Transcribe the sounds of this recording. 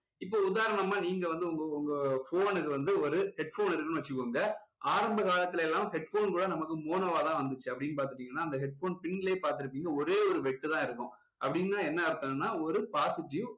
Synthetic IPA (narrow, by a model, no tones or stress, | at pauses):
ɪpːoːʊðaːɾɐɳɐmːaːniːŋɡɐʋɐnd̪ɯʊŋɡɐʊŋɡɐfoːnɯkːɯʋɐnd̪ɯɔɾɯhɛɖfoːnɪɾɯkːɐnɯ̃ʋɐt͡ʃːɯkːoːŋɡɐ | aːɾɐmbɐkaːlɐt̪ːɪlɐɛlːaːmhɛɖfoːnkuːɽɐnɐmɐkːɯmoːnɐʋaːt̪ãːʋɐnd̪ɯt͡ʃːɯɐpːɐɽɪnːɯpaːɾt̪ɯʈːiːŋɡɐnːaːɪnd̪ɐɦɛɖ̚foːnpɪɳːɪleːpaːɾt̪̬ɪɾɯp̬ːiːŋɡɐɔɾeːɔɾɯʋɛʈːɯt̪ãːɪɾɯkːʊ̃ | ʔɐpːɐɽɪŋnaːɛnːɐɐɾɯt̪ːɐŋnːaːɔɾɯpaːsɪʈi